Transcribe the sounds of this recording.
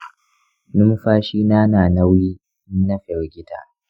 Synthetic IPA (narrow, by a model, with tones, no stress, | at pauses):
nʊ˦m˦ɸaː˦ʃiː˦naː˦naː˨na˦wjiː˦ | ɪ˦nnɐ˦ɸɛ˨ɡʲɪ˦ta̰ː˨